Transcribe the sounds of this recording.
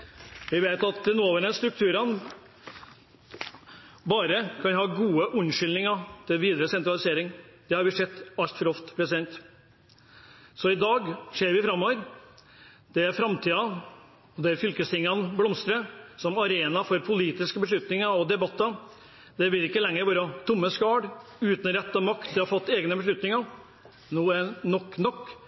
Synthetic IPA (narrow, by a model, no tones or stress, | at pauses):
ʋɪʋeɪt̪ɑt̪d̪ɛnuːɑʋəɾɛnst̪ɾʉk̚t̪ʰʉːɾɑn | bɑːɾəkʰɑnhɑːɡuːəʔʉnʂʏlnɪŋɑt̪ʰɪlʋiːd̪ɾəsɛnt̪ɾɑlɪseːɾɪŋd̪̥ɛhɑɾbɪʂɛt̪ːɑlt̪fɔɾɔft̪pʰɾɛsɪd̪ɛnt̪ | sɔɪd̪ɑːɡʂeːɾʋɪfɾɑmːoːʋəɾ | d̪̥ɛæɾfɾɑmt̪ʰiːɑ | ɔd̪ɛæɾfʏlkəst̪ɪŋːɑnblɔmst̪ɾəsɔmɑɾeːnɑfɔɾpʰʊliːt̪ɪskəbəʂ̬ɭʉt̪nɪŋɑɔd̪ɛbɑt̪ːɑ | d̪ɛʋɪlɪkːəlɛŋːəɾʋɑːɾət̪ʰʊmːəskɑːɽʉːt̪n̩ɾɛt̪ːəmɑkt̪d̪ɪɑɾfɑt̪ːeːɡnəbəʂ̬ɭʉt̪nɪŋɑ | nuːənɔkːnɔkː